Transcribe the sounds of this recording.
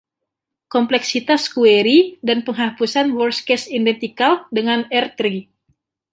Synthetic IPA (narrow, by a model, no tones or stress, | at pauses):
kɔmplɛksit̪askueɾidanpəŋɦapusanwɔrskɛsindɛnt̪ikaldəŋanɛrt̪ɾi